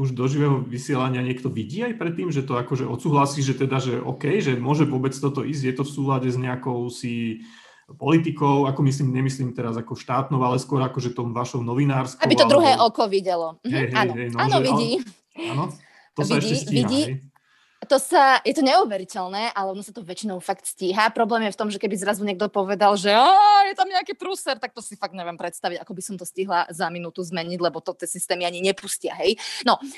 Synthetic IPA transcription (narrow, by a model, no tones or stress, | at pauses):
uʒd̪ɔʒiʋɛːɦɔʋisɪɛlaɲɪaɲɪɛkt̪ɔʋiɟiːajpɾɛt̪ːiːmʒɛt̪ɔakɔʒɛʔɔt̪suːɦlasiːʒɛt̪ɛd̪aʒɛʔɔ̰ːkɛjʒɛmʊɔʒɛʋʊɔbɛt͡st̪ɔt̪ɔʔizɟjɛt̪ɔfsuːlaɟɛzɲɛakɔʊsi | pɔlit̪ikɔʊakɔmis̬liːmɲɛmisliːmt̪ɛɾazakɔʃt̪aːt̪nɔʊalɛskwɔɾakɔʒɛt̪ɔmʋaʃɔʊnɔʋinaːɾskabit̪ɔd̪ɾuɦɛːʔɔkɔʋiɟɛlɔɦɛjɦɛanjɦɛjnanɔʋiiː | anɔ | t̪ɔʋiɛɟiɛsiiɟiː | t̪ɔsajɛt̪ɔɲɛuʋɛɾicɛlnɛːʔalɛɔnɔsat̪ɔʋɛt͡ʃinɔʊfakt̪sciɦapɾɔblɛːmjɛft̪ɔmʒɛkɛbizɾazuɲɛɡ̚d̪ɔpɔʋɛd̪alʒɛajɛt̪amɲɛakiːt̪ɾusɛɾt̪ak̚t̪ɔsifaɡ̚dɲɛʋɪɛmpɾɛt̪st̪aʋiɟakɔbisɔmt̪ɔsciɦlazaminut̪uzmɛɲiɟlɛbɔt̪ɔt̪ɪɛsist̪ɛːmiaɲiɲɛpuscɪaɦɛjnɔ